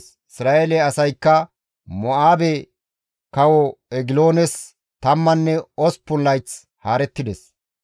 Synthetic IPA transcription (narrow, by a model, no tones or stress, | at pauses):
s | ɪsɾaːʔelɛɐsɐjkːɐ | mɔaːbɛ | kɐwɔɛɡɪlo̞ːnɛs | t̪ɐmːɐnːɛɔspːʊnlːɐjt͡s | haːɾɛt̪ːɪd̪ɛs